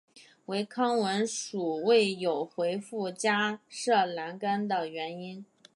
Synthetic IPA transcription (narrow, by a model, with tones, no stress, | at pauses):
we˧˥ɪkʰɑ˥ŋwə˧˥nʂu˨˩we˥˩ɪjo˨˩ʊxwe˧˥ɪfu˥˩t͡ɕja˥ʂɤ˥˩la˧˥nka˥nd̪ə˨ɥɛ˧˥ni˥n